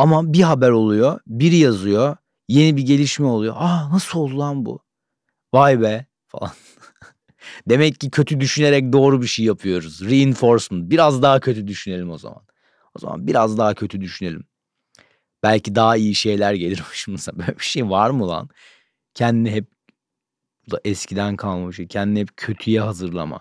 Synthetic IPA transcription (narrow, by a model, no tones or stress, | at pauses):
amabiɦabæɾo̞lˠujobiɾijazɯjo | je̞nibiɟe̞lʲiʃmɛo̞lˠujo̞̰ʔanasɯolˠulˠanbṵ | vajbɛ | fa̰lˠa̰n | d̪e̞mɛcːicʰø̞t̪ʰyd̪yʃyne̞ɾɛc̚d̪o̞ːɾubiʃejjapʰɯjo̞ɾuzɾiːnfo̞ɾsmɯnbiɾazd̪aɦacʰø̞t̪ʰyd̪yʃyne̞lʲimo̞za̰ma̰n | o̞za̰ma̰nbiɾazd̪aɦacʰø̞t̪ʰyd̪yʃyne̞lʲim | b̥ælʲcʰid̪aɦaijiʃe̞jlʲæɾɟe̞lʲiɾmiʃmuzabølʲɛbi̥ʃejvaɾmulˠa̰n | cʰɛnd̪iniɦɛp̚ | d̪aʔɛscʰid̪ænkʰalˠmabiʃejcʰɛnd̪inihɛp̚cʰø̞t̪ʰyjɛɦazɯɾlˠa̰ma̰